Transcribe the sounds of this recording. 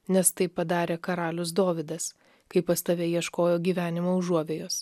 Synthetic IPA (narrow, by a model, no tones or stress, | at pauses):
nʲɛst̪ɐɪpːɐd̪ɑːɾʲeːkɐɾɑːlʲʊsd̪oːʋʲɪd̪ɐs | kɐɪpɐst̪ɐʋʲeːjiɛʃkoːjoːɡʲiːʋʲæːnʲɪmoːʊuɔʋʲeːjoːs